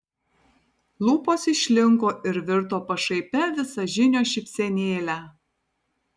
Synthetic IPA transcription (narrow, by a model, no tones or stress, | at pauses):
lˠuːpoːsɪʃʲlʲɪŋkoːʔɪɾʋʲɪɾt̪oːpɐʃɐɪpʲɛʋʲɪsɐʒʲɪnʲoːʃʲɪpʲsʲɛnʲeːlʲæː